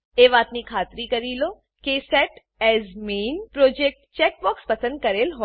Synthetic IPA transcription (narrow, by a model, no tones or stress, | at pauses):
eːʋaːt̪nikʰaːt̪ɾikɐɾiloː | kesɛʈ | ɛːzmeːnpɾoːd͡ʒek̚ʈt͡ʃɛːk̚bɔːkspɐsə̃nd̪̚kɐɾeːlɦo